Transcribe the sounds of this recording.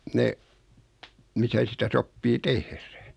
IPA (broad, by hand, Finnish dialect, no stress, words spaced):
ne misæ sitæ sopːiː tehræ